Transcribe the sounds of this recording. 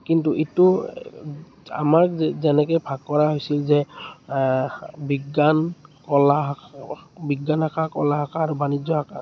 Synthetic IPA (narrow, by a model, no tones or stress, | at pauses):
kintuʔitʊ | a̰maɹzɛnɛkɔjbʱaɡ̚kːɔɹaɦojsilzɛ | biɡːankɔla | biɡːanɦakʰakɔlaɦakʰaːɹubanid͡ʒzɔɦakʰa̰